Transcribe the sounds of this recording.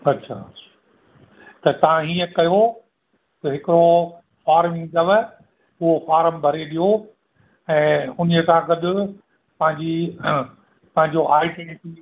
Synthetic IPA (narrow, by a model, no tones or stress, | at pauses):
ɐtːʃʰa̰ɐḁ | t̪ɐt̪ɐʋ̤ãɦiːə̃kɐjo | t̪ɐɦɪkɪɾo | faːɾmɪ̃ŋɡd̪ɐʋ | ʊɦofaːɾəmbʱɐɾeɗijo | ɛ̃ːʊniəkʰãɡɐd̪ʊ̆ | pɐ̃ɦɪ̃ɲd͡ʑi | pɐ̃ɦɪ̃ɲd͡ʑoʔaːiʈenʈi